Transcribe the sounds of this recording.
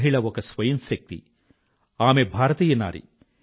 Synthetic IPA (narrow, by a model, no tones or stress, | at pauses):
ɦiɭɐɔkɐsʋɐjɐmsɐk̚t̪ḭ | aːmebʱaːɾɐt̪iːjɐna̰ːɾḭ